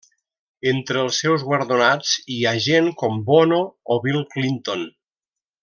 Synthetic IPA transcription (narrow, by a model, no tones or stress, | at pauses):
ent̪ɾəːlˠsːɛwzɣwəɾðonad͡ziaʒenkɔmbɔnoːβilˠklint̪on